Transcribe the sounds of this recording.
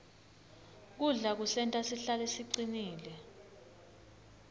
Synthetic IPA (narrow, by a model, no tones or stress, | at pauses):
k̬uɮak̬usɛntʼasiɬalesiǀiniːlɛ